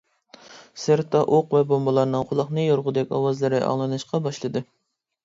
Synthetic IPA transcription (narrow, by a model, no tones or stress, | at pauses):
sɪɾt̪ʰɑʔoqvɛbombɑlˠɑɾnɨŋqʰʊlˠɑχnɨjoɾʁʊd̪ɛkʲɑwɑzlˠɨɾɨʔɑ̰ŋlˠɨnɨʃqɑbɑʃlˠɨd̪ɨ